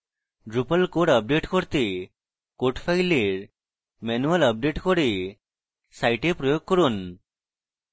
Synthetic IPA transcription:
ɖɾupəlkoɽəp̚ɖeʈkoɾt̪e | koʈpʰajleɾ | menuələp̚ɖeʈkɔɽe | sajʈepɾɔjoɡ̚kɔɾun

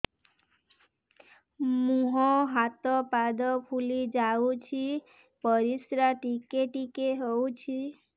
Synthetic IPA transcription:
mũɦɔɦat̪ɔpad̪ɔpʰulid͡ʒaut͡ʃʰi | pɔɾisɾaʈikeʈikeɦowt͡ʃʰi

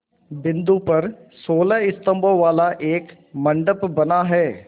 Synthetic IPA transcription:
bɪ̃nd̪upɐɾsoːləɪst̪ə̃mboʋaːlaʔeːk | mɐ̃ɳɖəpbɐnaɦɛː

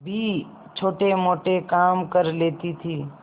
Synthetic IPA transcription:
bʱi | t͡ʃʰoːʈemoːʈekaːmkəɾleːt̪it̪ʰiː

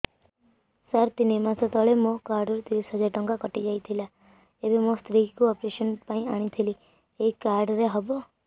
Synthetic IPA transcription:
saɾt̪inemãsɔt̪ɔɭemõkaɾɖɔɾt̪iʋisɦəd͡ʒaɾʈɔŋɡakɔʈid͡ʒajt̪ʰila | ebemõst̪ɾikuɔpɾeʃənpaĩaɽ̃ĩt̪ʰili | eikaɾɖɾeɦɔbo

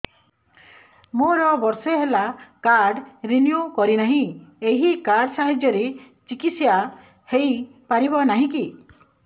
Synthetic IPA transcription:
moɾɔbɔɾseɦelakaɾɖɾinjukɔɾinaɦĩeɦikaɾɖsaɦed͡ʒjɔɾe | t͡ʃikit̪sja | hej | paɾibɔnaɦĩki

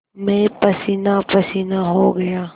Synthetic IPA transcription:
mẽpɐsinapɐsinaɦoɡɐjaː

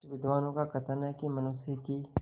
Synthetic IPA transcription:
ʋɪd̪ʋaːnõkakʰɐt̪əɾnakimɐnʊsiki

